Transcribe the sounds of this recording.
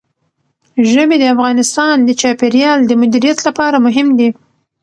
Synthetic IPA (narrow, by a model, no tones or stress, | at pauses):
ʒəmed̪əafɣɑnɪst̪ɑnd̪ət͡ʃɑpeɾjɑld̪əmʊd̪iɾijat̪lapɑɾamʊɦɪmd̪i